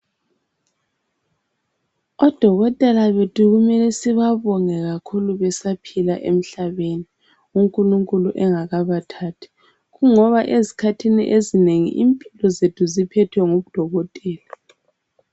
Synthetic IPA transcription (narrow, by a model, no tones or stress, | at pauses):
ɔd̥ʱɔɣɔtʼɛlaβetʰuɣumɛlɛsiβaβɔŋɛɣakʰuluβɛsapʰilaʔem̩ɬaβeni | uŋkʼuluŋkʼuluʔɛŋaɣaβatʰaːtʰi̥ | ɣuŋɔβaʔezi̥kʰatʰinḭʔezineŋḭʔimpʼilɔzetʰuzipʰɛtʰwɛŋoβud̥ʱɔɣɔtʼɛːla